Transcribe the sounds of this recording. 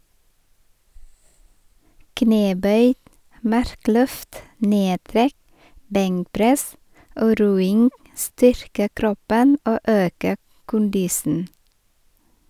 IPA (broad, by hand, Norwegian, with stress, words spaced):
ˈkneːˌbœʏ ˈmɑɾˌklœft ˈneːˌtɾɛk ˈbɛŋkˌpɾɛs ˈoː ˈɾuːɪŋ ˈstʏɾkə ˈkɾɔpən ˈoː ˈøːkə ˈkʊndɪsn̩